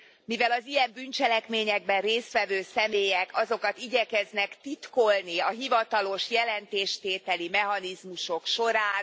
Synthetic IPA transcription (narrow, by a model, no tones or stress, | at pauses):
mivɛlɒzijɛmbynt͡ʃɛlɛkmeːɲɛɡ̚bɛnreːst̪ʋɛvøːsɛmeːjɛkʰɒzo̞kɒt̪iɟɛkɛznɛkt̪it̪ko̞lniɒɦivɒt̪ɒlo̞ʃjɛlɛnt̪eːʃt̪eːt̪ɛlimɛɦɒnizmuʃo̞kʃo̞ɾaːn